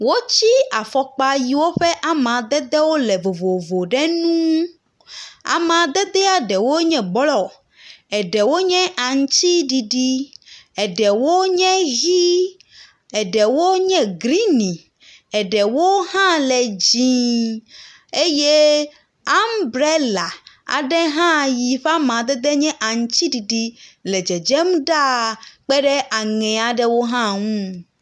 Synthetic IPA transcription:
wo˦t͡ɕi˦a˨fɔ˨k͡pa˨ji˨wo˦ɸɛ˦ʔa˨m˨ã˨d̪ɛ˦d̪ɛ˦wo˦lɛ˨vo˨vo˨vo˨ɖɛ˦nũ˦ | a̰˨mã˨d̪ɛ˦d̪ɛ˦a˨ɖɛ˨wo˦ɲɛ̃˨ɡ͡blɔ˨ | ɛ˨ɖɛ˨wo˦ɲɛ̃˦ʔa˨ŋ̩˦t͡ɕi˦ɖi˨ɖi˦ɛ˨ɖɛ˨wo˦ɲɛ̃˦ɣi˦ | ɛ˨ɖɛ˨wo˦ɲɛ̃˦ɡɾi˦nĩ˨ | ɛ˨ɖɛ˨wo˦ɦã˦lɛ˨d͡ʑĩ˨ | e˦je˦ | a˦mbɾe˦la˨a̰˨ɖɛ˦ɦã˦ji˨ɸa˦mã˨d̪ɛ˦d̪ɛ˦ɲɛ̃˦ʔa˨ŋ˦t͡ɕi˦ɖi˨ɖi˦lɛ˨d͡ʒɛ˨d͡ʒɛ˦mɖa˦˨k͡pɛ˦ɖɛ˦ʔa˨ŋɛ̃˨a˨ɖɛ˦wo˦ɦã˦ŋũ˦

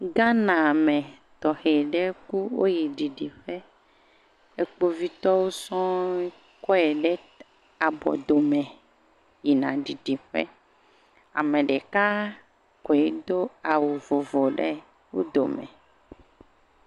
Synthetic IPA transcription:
ɡã˦nã˨mɛ̃˨ | t̪ɔ˨he˨ɖɛ˦ku˦wo̰˦ji˨ɖi˨ɖi˨ɸɛ˦ | e˦k͡po˦vi˦t̪ɔ˦wo˦sɔ̃˦ | kɔ˦ɛ˨ɖɛ˦ | a˨bɔ̰˨d̪o˨mɛ̃˨ | ji˨nã˨ɖi˨ɖi˨ɸɛ̰˦ | a̰˨mɛ̃˨ɖɛ˨ka˦ | kɔ˨ɛ˦d̪o˦a˨wo˨vo˨vo˨ɖɛ˦ | wo˦d̪o̰˨mɛ̰̃˨

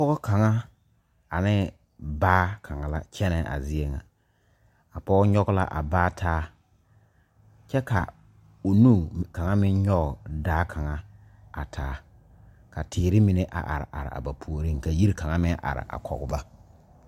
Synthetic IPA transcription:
a˨pɔ˦ɣʊ˦ka˨ŋa˦ | a˨nɪ˦ | baː˦kʰa˨ŋa˨la˦t͡ʃɛ˦nɛ˨ʔa̰˨zɪ˦e˦ŋa̰˨ | a˨pɔ˦ɡɔ˦ɲɔ˦ɡʊ˦la̰˦ʔa̰˨baː˦tʰaː˦ | t͡ʃɛ˦ka˨ | o˨nuː˦ka˨ŋa˦mɪ˦ɲɔ˦ɡʊ˨daː˦kʰa˨ŋa˦a˨tʰaː˨˦ | ka˨tʰɪː˨ɾɪ˦mi˨ne˦ʔa̰˨ʔa̰˨ɾɪ̰˨ʔa̰˨ɾɪ̰˨a̰˨ba˨pʰu˨o˨ɾi˦ŋka˨ji˦ɾka˨ŋa˦mɪ˦ʔa̰˨ɾɪ̰˨ʔa̰˨kʰɔ̰˨ɣʊ˨ba˦

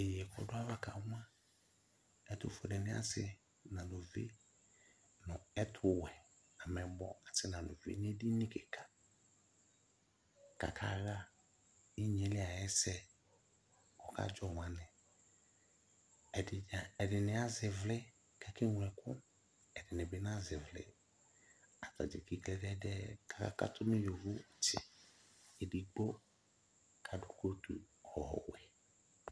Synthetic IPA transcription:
e˨jɛ˨kʰɔ̰˨dʊ˦a˦va˦ka˨˦ã˦ | ɛ˦tʊ̰˨fo˨dɛ˨nɪ̃˦a̰˦sɪ˨ | nã˨lo˨vḛ˦ | nʊ̃˨ɛ˦tʰʊ˦wɛ˨ | nã˨mɛ˨bɔ̰˦a˨sɪ˦nã˨lo̰˨vḛ˦n˦ɛ˦di˦nɪ̃˦kɛ˨kʰa˨ | ka̰˨kʰa̰˨ɣa˦ | ɪ˦ɲ˨e˨˦lɪ˦a˨jɛ˦sɛ˦ | ɔ˨ka̰˦d͡ʒɔ˨ŋʷ˨ã˨nɪ̃˨ | ɛ˨dɪ˨nɪ˨a˦zɪ˨vlɪ˦ | kɛ˨kɪ˦ŋʷ˨ɛ˨kʊ̰˦ | ɛ˨dɪ˨nɪ˨bɪ˦n˦a˦zɪ˨vlɪ̰˦ | a˨ta̰˨d͡ʒɪ̰˨ki˦klɛ˦dɛ˦dɛ˦ka˨ka̰˦ka̰˦tʰʊ˦nɪ˦jo˨vu˦˨tɪː˨ | di˨ɡ͡bo˦ | kʰa˨dʊ˨ko˦tṵ˨ | hɔ˨hɔ̰˨wɛ̰˨

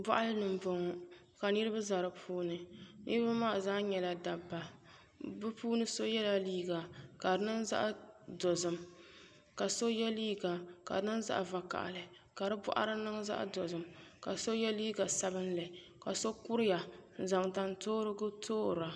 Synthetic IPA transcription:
ba˦ʔa˦lɨ˦nɨ˨m˨bɔ˨ŋɔ˨ | ka˨nɨ˦ɾɨ˦ba˦za˨ɾɨ˨pʰuː˦nɨ˨nɨ˦ɾɨ˦ba˦maː˦˨zaː˦ɲɛ˨la˨da˨bːa˨ | bɨ˦puː˦nɨ˦so˦jɛ˦la˦liː˦ɡa˨ka˨ɾɨ˨˦nɨ˦ŋza̰˦ʔdo˨zɨ˨m | ka˨so˦jɛ˦liː˦ɡa˨ka̰˨˦nɨ˦ŋ˦za̰˦ʔva˨ka̰˨ʔa̰˨lɨ˨ | ka˨ɾɨ˦bʊ̰˦ʔa̰˦ɾɨ˦nɨ˦ŋza̰˦ʔdɔ˨zɨ˨mka˨so˦jɛ˦liː˦ɡa˨sa˦bɨ˦n˦lɨ˨ka˨so˦ku˦ɾɪ˦ja˨n̩˨za˨ŋta˨ntoː˦ɾɨ˦ɡʊ˦tʰoː˦˨ɾa˨

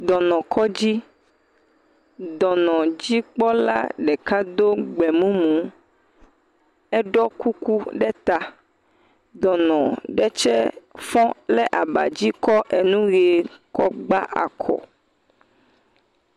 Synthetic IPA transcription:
d̪ɔ˨nɔ̃˨kɔ˦d͡ʑi˦ | d̪ɔ˨nɔ̃˨d͡ʑi˦k͡pɔ˦la̰˦ɖɛ˨ka˦d̪o˦ɡ͡bɛ˨mũ˦mũ˨˦ | ɛ˦ɖɔ˦ku˦ku˦ɖɛ˦t̪a˨ | d̪ɔ˨nɔ̃˨ɖɛ˦t͡ʃɛ˦fɔ̃˦lɛ˦ʔa˨ba̰˨d͡ʑi˦kɔ˦ʔe˨nũ˦ɣe˨kɔ˦ɡ͡ba˦ʔa̰˨kʰɔ̰˨

